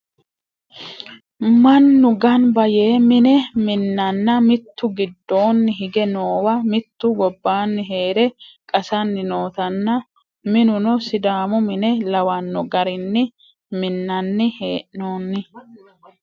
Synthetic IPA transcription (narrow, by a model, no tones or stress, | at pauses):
mɐnːʊɡɐnbɐje̞ːmɪnɛmɪnːɐnːɐmɪt̪ːʊɡɪd̪ːo̞ːnːɪɦɪɡɛno̞ːwɐmɪt̪ːʊɡɔbːaːnːɪɦe̞ːɾɛkʼɐsɐnːɪno̞ːt̪ɐnːɐ | mɪnʊnɔsɪd̪aːmʊmɪnɛlɐwɐnːɔɡɐɾɪnːɪ | mɪnːɐnːɪhe̞ːʔnoːnːɪ